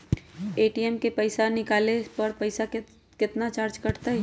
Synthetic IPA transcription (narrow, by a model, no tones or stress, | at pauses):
eːʈiɛmkepəɪsanɪkaːlepɐɾpəɪsa | kɪt̪nat͡ʃaːɾt͡ʃkɐɾt̪aɦɛ